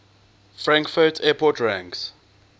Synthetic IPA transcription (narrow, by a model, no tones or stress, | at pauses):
fɹãŋkfɔtʰɛpʰɔtʰɹãŋks